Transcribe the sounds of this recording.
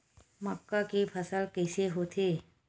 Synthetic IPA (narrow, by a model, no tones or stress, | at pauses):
məkːakepʰəsəlkɛːseɦoːt̪ʰe